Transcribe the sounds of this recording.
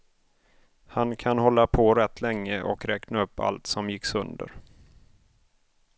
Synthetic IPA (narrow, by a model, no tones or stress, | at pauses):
hankʰanhɔlːapʰɔɾɛt̪ːlɛŋːəʔɔ̰kɾɛːknaɵpʰːa̰lt̪sɔmjɪksɵnd̪ə̰ɾ